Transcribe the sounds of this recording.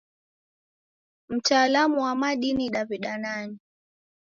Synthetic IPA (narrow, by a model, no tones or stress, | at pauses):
m̩taːlamuwamaɗiniɗaviɗanani